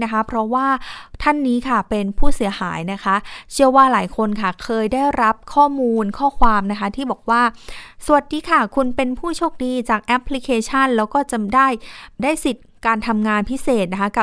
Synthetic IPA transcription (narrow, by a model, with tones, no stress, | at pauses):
na˦˥kʰa˦˥pʰɾɔ˦˥waː˥˩t̪ʰa˥˩nːiː˦˥kʰa˥˩pe˧npʰuː˥˩si˨˩˦haː˩˦jna˦˥kʰa˦˥t͡ɕʰɯ˥˩əwaː˥˩laː˩˦jkʰo˧nkʰa˥˩kʰɤː˧jdaː˥˩jɾa˦˥p̚kʰɔː˥˩muː˧nkʰɔː˥˩kʰwaː˧mna˦˥kʰa˦˥t̪ʰiː˥˩bɔː˨˩k̚waː˥˩su˨˩ət̪̚diː˧˥kʰa˥˩kʰu˧npe˧npʰuː˥˩t͡ɕʰoː˥˩k̚diː˧t͡ɕaː˨˩k̚ʔɛ˦˥pʰːli˦˥kʰeː˧t͡ɕʰa˥˩nlɛː˦˥wkɔː˥˩t͡ɕa˨˩daː˥˩jdaː˥˩jsi˨˩t̪̚kaː˧nt̪ʰa˧mŋaː˧npʰi˦˥seː˨˩t̪̚na˦˥kʰa˦˥ka˨˩